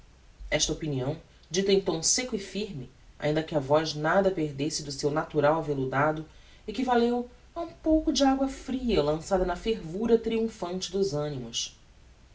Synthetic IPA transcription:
ɛʃt̪ɐopiniɐ̃w̃ | d͡ʒit̪ẽj̃t̪õw̃sekʊɪfiɾmɪ | a̰ĩnd̪ɐkɪɐvɔznad̪ɐpeɦd̪esɪd̪ʊsewnat̪uɾawɐvelud̪ad̪ʊ | ekivalew | ɐũpowkʊd͡ʒɪaɡwɐfɾiɐlɐ̃sad̪ɐnɐfeɾvuɾɐt̪ɾiũfɐ̃nt͡ʃɪd̪ʊzɐ̃nimʊs

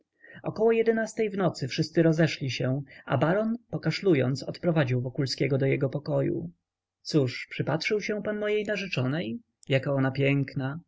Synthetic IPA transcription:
ɔkɔwɔjɛd̪ɛnast̪ɛjvnɔt̪sɘfʂɘst̪sɘɾɔzɛʂlʲiɕɛ̃a̰baɾɔnpɔkaʂlujɔ̰nt̪sɔt̪pɾɔvad͡ʑiwvɔkulskʲɛɡɔd̪ɔjɛɡɔpɔkɔjṵ | t̪suʂpʂɘpatʂɘwɕɛ̃w̃panmɔjejnaʐɛt͡ʂɔnɛj | jakaɔnapʲjɛŋkna

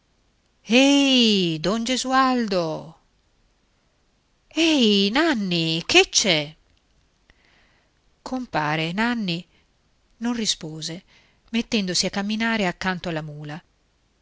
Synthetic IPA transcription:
ɛjd̪ɔnd͡ʒezuald̪o | ɛjnanːikʰet͡ʃːɛ | kʰompaːɾenanːi | nonrispoːze | met̪ːɛnd̪osiakːamːinaːɾeakːant̪oalːamuːla

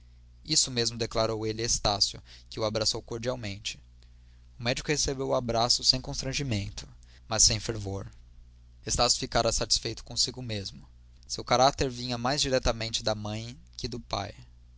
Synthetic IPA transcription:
isʊmezmʊd̪eklaɾowelɪest̪asjʊkɪʊabɾasowkoɾd͡ʒiawmẽnt͡ʃɪ̥ | ʊmɛd͡ʒikʊhesebewabɾasʊsẽj̃kõst̪ɾɐ̃ʒimẽnt̪ʊ̥ | mɐsːẽj̃feɾvoɾ | est̪asjʊ̥fikaɾɐsat͡ʃi̥sfejt̪ʊ̥kõsiɡʊmezmʊ | sewkaɾat̪eɾvĩɲɐmajzd͡ʒiɾɛt̪ɐmẽnt͡ʃɪd̪ɐmɐ̃j̃ | kɪd̪ʊpa̰j

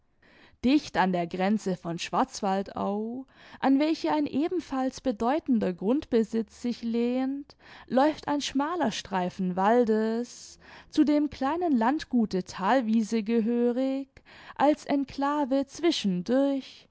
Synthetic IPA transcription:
d̥ɪçtandeːɐɡʁɛnt͡səfɔnʃv̥aɐt͡sv̥alta̰ʊʔanvɛlçəaɪnʔeːbm̩falsb̥ədɔʏtn̩dɐɡʁʊntb̥əzɪt͡sz̥ɪçleːntlɔʏfta̰ɪnʃmaːlɐʃtʁ̥aɪfn̩valdəst͡suːdeːmkl̥aɪnənlantɡ̥uːtətʰaːlviːzəɡəɦøːʁɪkʔalsʔɛnkʰl̥aːvət͡sv̥ɪʃn̩dʊɐç

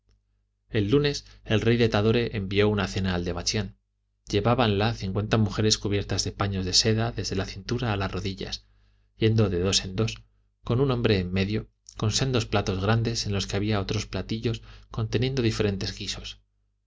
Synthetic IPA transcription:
e̞lːune̞se̞lre̞jðet̪aðo̞ɾe̞ʔembio̞unaθe̞naːld̪e̞βat͡ʃjan | ɟ͡ʝe̞βaβanlaθiŋkwe̞nt̪amuxe̞ɾe̞skuβje̞ɾt̪azðe̞paɲo̞zðe̞se̞ðaðe̞zðe̞laθint̪uɾaːlasro̞ðiʎa̰s | je̞nd̪o̞ðe̞ð̞o̞se̞nd̪o̞s | ko̞nunõ̞mbɾe̞ːmːe̞ðjo̞ | ko̞nsend̪o̞splat̪o̞zɣ̞ɾand̪e̞se̞nlo̞ske̞aβiao̞t̪ɾo̞splat̪iʎo̞sko̞nt̪e̞nje̞nd̪o̞ðife̞ɾe̞nt̪e̞zɣiso̞̥s

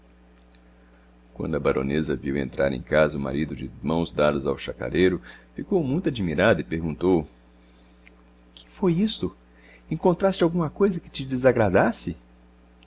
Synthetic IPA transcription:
kwɐ̰̃nd̪ʊɐbaɾʔõ̰nezɐviwḛ̃nt̪ɾa̰ɾḛ̃j̃kazɐʊma̰ɾid̪ʊd͡ʒɪmɐ̃w̃zd̪ad̪ʊza̰wʃaka̰ɾejɾʊfikowmũj̃t̪ʊad͡ʒimiɾad̪ɐɪpeɾɡũnt̪ow | kʰɪ̥fojist̪ʊ | ẽŋkõnt̪ɾast͡ʃɪawɡũmɐkojzɐkɪt͡ʃɪd͡ʒɪzaɡɾad̪asɪ

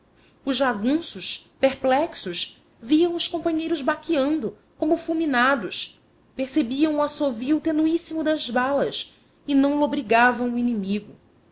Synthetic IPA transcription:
ʊʒʒaɡũsʊʃpeχplɛksʊʃ | viɐ̃w̃ʊʃkõpɐ̃ɲejɾʊzbakiɐ̃nd̪ʊ | kõmʊfulminad̪ʊʃ | peχsebiɐ̃w̃uasoviut̪enuisimʊd̪ɐzbalɐs | ɪnɐ̃w̃lobɾiɡavɐ̃w̃uinimiɡʊ

